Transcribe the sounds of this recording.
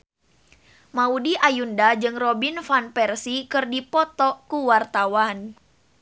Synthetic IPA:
maudiʔajundad͡ʒɨŋrɔbinfanpɛrsikɨrdipɔt̪ɔkuwart̪awan

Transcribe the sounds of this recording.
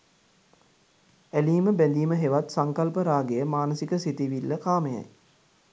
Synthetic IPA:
æliːməbænd̪iːməɦeʋat̪saŋkalpəɾaːɡejəmaːnəsikəsit̪iʋilːəkaːməja̰j

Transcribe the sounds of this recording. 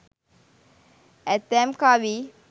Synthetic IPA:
ɛt̪ːɛmkaːʋi

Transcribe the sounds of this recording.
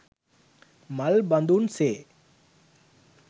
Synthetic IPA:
mɐlbɐnd̪unseː

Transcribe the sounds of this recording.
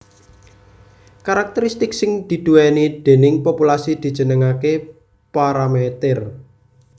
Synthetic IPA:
kaɾak̚t̪əɾist̪ɪksɪŋd̪̥i̤d̪̥uwɛnid̪̥e̤nɪŋpopulasid̪̥i̤d̥d͡ʒ̥ə̤nəŋake | paɾamet̪ɪr

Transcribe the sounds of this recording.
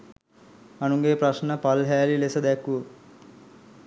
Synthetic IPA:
ɐnuŋɡeːpraʃnəpalɦæːlilesəd̪ɛkːuʋə

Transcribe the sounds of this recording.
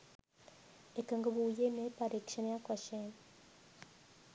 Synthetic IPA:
ekaŋɡaβujenepaɾekʃanjakwaʃen

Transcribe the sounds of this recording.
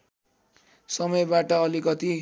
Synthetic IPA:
sʌmʌjbaʈʌʌlikʌt̪i

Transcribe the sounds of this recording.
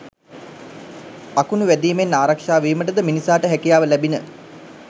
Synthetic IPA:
akunuʋæd̪iːmenːaːɾakʂaːʋiːməʈəd̪əminisaːʈəɦækijaːʋəlæbinə

